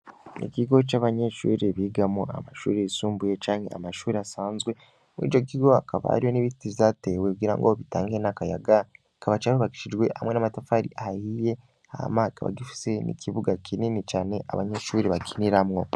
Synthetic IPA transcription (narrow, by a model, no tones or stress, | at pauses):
nḭkiɡo̞t͡ʃaβaɲe̞ʃṵːɾiβiɡamoa̰maʃṵːɾeisuːmbujet͡ʃaːŋhe̞̰a̰maʃuːɾiasaːnzɡwe̞ | mwḭːd͡ʒo̞k̬iɡo̞akʰaβa̰ha̰ɾijo̞niβititiβzate̞wekuɡiːɾa̰ŋɡoβitaːŋɡenakaja̰ɡa | kaβat͡ʃaβiβaki̥ʃid͡ʒɡwe̞ha̰mwe̞namatafaɾḭahajije̞ | aha̰makaβa̰ɡifi̥se̞nḭkʰiβuɡakininit͡ʃaːne̞ʔa̰βaɲeʃuːɾiβakʰiniɾamŋo̞